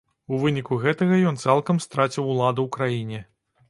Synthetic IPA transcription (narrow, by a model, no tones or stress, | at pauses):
uvɨnʲikuɣɛt̪ɐɣɐjɔnt̪salˠkɐmst̪ɾat͡sʲiwlˠad̪ɐwkɾajinʲɛ